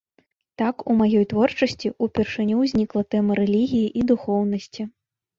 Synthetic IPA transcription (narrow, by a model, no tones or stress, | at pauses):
t̪akumajɔjt̪vɔrt͡ʂɐsʲt͡sʲiupʲɛrʂɨnʲuwzʲnʲiklˠɐt̪ɛmɐɾɛlʲiɣʲijiʔid̪uxɔwnɐsʲt͡sʲi